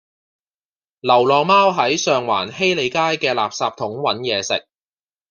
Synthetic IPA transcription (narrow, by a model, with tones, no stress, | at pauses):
lɐ˨˩wlɔː˨˧ŋmaː˥wɦɐ˨˥jsœː˨ŋwa̰ː˨˩nhe˥jle˨˧jkaː˥jkɛː˧la̰ː˨p̚saː˧p̚t̪ʰʊ˨˥ŋwɐ˨˥njɛː˨˧sɪ̰˨k̚